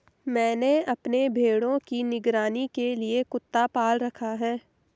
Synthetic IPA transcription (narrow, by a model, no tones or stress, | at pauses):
mɛ̃ːneɐpnebʱeːɽõkinɪɡɾaːnikeliekʊt̪ːapaːlɾɐkʰaɦɛː